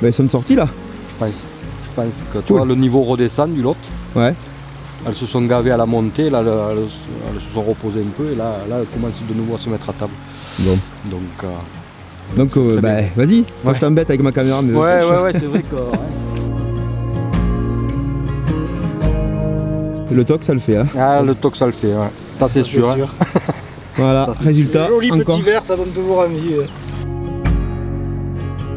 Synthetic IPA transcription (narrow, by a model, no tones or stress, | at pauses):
bɛilsɔmsɔʁt̪ila | ʒ̥əpɑ̃s | ʒ̥əpɑ̃skət̪ulalənivoʁəd̪esɑ̃d̪ylɔt̪wɛ | ɛlsəsɔ̃ɡavealamɔ̃nt̪elalɛl | ɛ̰lsəsɔ̃ʁəpozeɛ̃mpøelalaɛlkɔmɑ̃sd̪ənuvoasəmɛt̪χat̪abl | bɔ̃ | d̪ɔ̃ŋkø | d̪ɔ̃ŋkøbɛvazi | ɛt̪ɑ̃bɛt̪avɛkmakameʁamwɛwɛwɛsɛvʁɛkəɛ | lət̪ɔksaləfɛɛ̃alət̪ɔksaləfɛwɛ | sasɛsyʁɛ̃ʁ | valaʁezylt̪aʒoliɑ̃kɔʁivɛʁsad̪ɔnt̪uʒuʁɛ̃mije